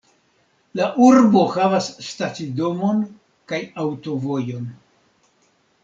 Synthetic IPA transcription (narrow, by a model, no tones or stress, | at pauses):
laʔuɾbo̞havasːtat͡sido̞mo̞n | kajawto̞vo̞jo̞n